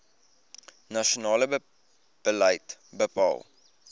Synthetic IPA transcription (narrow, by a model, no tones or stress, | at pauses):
nɐʃionɑːlə | b̥ələjtbəpɑ̰ːlˠ